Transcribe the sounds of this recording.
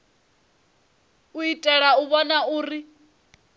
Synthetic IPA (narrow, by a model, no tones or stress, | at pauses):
uitʼɛɺauβɔnauːri